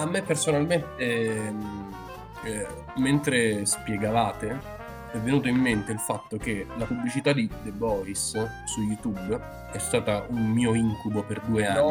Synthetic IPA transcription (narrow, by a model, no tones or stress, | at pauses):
amːepːersonalment̪e | ment̪ɾespjeɡavaːt̪e | ɛvːenuːt̪̬oimːent̪eilfat̪ːok̟elapublit͡ʃit̪ad̪id̪ebɔːɾis | sujut̪ub | ɛst̪aːt̪aʔummiːoiŋkuboperd̪uːeanːi